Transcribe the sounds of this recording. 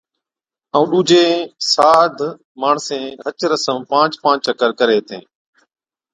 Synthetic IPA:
ə̃ũːɗuːd͡ʒʱeːsaːd̪ʱ | maːɳsẽːɦət͡ʃɾəsəmpãːt͡ʃpãːt͡ʃəkəɾkəɾeːt̪ḛ̃ː

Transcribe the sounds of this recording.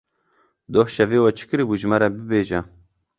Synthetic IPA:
d̪ohʃɛveːwɛt͡ʃʰɨ̥kɨɾɨbuːʒmaɾɛbɨbeːʒɛ

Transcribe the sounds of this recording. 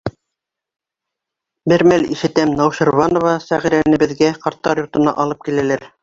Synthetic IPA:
bɘɾmælḭʃɘ̆t̪æmnɑwʃɤ̆ɾvɑnŏvɑsæʁiɾænɘ̆bɘ̆ðɡæqɑɾt̪ːɑɾjŏɾt̪ɤ̆nɑ̰ʔɑlˠɤp̚kilæ̆læɾ

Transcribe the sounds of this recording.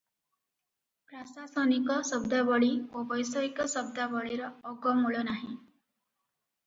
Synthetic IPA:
pɾasasɔnikɔsɔb̚d̪abɔɭiobɔjsɔikɔsɔb̚d̪abɔɭiɾɔːɡɔmuɭɔnaɦĩ

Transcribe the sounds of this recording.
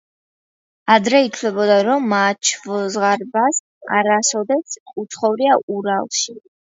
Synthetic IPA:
ad̪ɾɛit̪ʰlɛbɔd̪aɾɔmːat͡ʃʰvzʁaɾbas | a̰ɾasɔd̪ɛt̪sʰut̪sʰχɔvɾiaʔuɾalˠʃi

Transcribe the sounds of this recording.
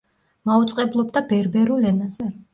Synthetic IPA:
maut̪sʼqʼɛblˠɔbd̪abɛɾbɛɾulɛnazɛ

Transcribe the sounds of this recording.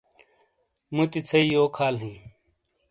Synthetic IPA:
mut̪it͡sʰɐijoːkʰaːlɦĩː

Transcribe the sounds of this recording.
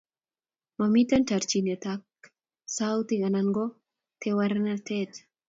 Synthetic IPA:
mamit̪antaɾt͡ʃinet̪ak̚ | sawt̪iɡanaŋɡo | t̪ʰewaɾnat̪ɛt̪

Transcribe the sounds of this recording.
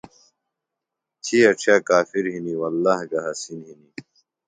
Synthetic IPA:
t̪ʰiɐʈ͡ʂʰaːkaːfiɾɦiniwɐlːaːhɡaɦɐsinɦini

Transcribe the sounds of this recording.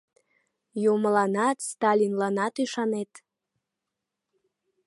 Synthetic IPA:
juməlɑnɑt̪st̪ɑlʲinlɑnɑt̪yʃɑnet̪

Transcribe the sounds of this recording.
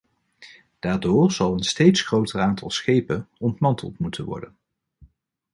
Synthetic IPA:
d̥aːɹdʊːɹz̥ɑlˠənstejtsχrowtəraːntʰɑ̰lˠsχejpənɔntmɑntʰə̰lˠtmutənʋɔ̰ɹdən

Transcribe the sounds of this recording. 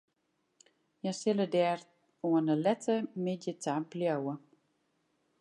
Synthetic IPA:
jɛsɪlədɛːr | uənəlɛtʰəmɪdjətʰabljowə

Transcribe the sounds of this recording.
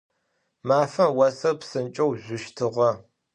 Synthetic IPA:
maːfɐmwɐsɐrpsɨnt͡ʃʼɐwʑʷʊʃtʰɨʁɐ

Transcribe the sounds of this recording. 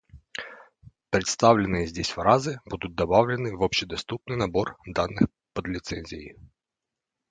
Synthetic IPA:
pɾɪt̪st̪ɑwlʲɪnɨjɛzʲdʲisʲfɾɑzɪbud̪ʊt̚ʲd̪ɐbɑwlʲɛnɪʋɔpɕɪd̪ɐst̪upnɪjnɐbɔrd̪ɑnːɪx | pɐd̪lʲɪt̪sɛnʲzʲɪjḭ

